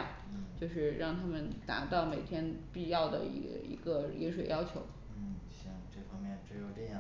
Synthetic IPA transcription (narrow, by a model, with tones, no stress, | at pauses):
t͡ɕjo˥˧ʊʂɻ̩˥˧ɻɑ˥˩ŋt̪ʰa˥mə˨nt̪a̰˧˥t̪ɑ˥˩ʊme˨˩ɪt̪ʰjɛ˥npi˥˧jɑ˥˩ʊd̪ə̰˩ḭ˧˥ḭ˧˥ɡə˧i˧˥nʂwe˨˩ɪjɑ˥ʊt͡ɕʰjo˧˥ʊ˥˩ | ɕjɑ˥˩ŋʈ͡ʂɤ˥˩fɑ˥ŋmjɛ˥˩nʈ͡ʂɻ̩˧˥jo˧˩ʊʈ͡ʂə˥˧jɑ˥˩